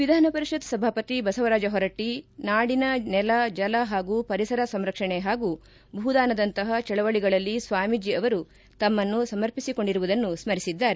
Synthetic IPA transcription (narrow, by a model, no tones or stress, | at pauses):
ʋid̪ʱaːnɐpɐɾiʂɐd̪sɐbʱaːpɐt̪ibɐsɐʋɐɾaːd͡ʒɐɦɔɾɐʈinaːɽinɐnɛlɐd͡ʒɐlɐɦaːɡupɐɾisɐɾɐsɐmɾɐkʂɐɳeɦaːɡu | bʱuːd̪aːnɐd̪ɐnt̪ɐɦɐt͡ʃɛɭɐʋɐɭiɡɐɭɐlːisʋaːmid͡ʒiɐʋɐɾu | t̪ɐmːɐnːusɐmɐɾpisiko̞ɳɖiɾuʋud̪ɐnːusmɐɾisid̪ːaːɾe